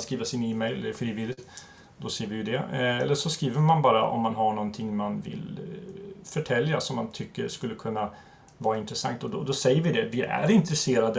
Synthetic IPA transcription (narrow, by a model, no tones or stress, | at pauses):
skɾiːvəʂɪniːmɛjlɛlːəɾfɾiːvɪlːɪt̪ | d̪ɔsɛjəɾvɪjd̪ɛɛ̰lːəʂɔskɾiːvəɾmanbɑːɾa̰ʔɔ̰mːanɦaɳɔnt̪ʰɪŋːmanvɪ̰l | fœʈʰɛlːja̰sɔmːant̪ʰʏkːə̰ɾʂkɵlːəkʰɵnːa | vɑːɾaɪnt̪ɾɛsa̰ŋkt̪ɔd̪ɔd̪ɔsɛjːəɾvɪd̪ɛvɪʔæ̰ɾɪnt̪ɾɛseːɾad̪ə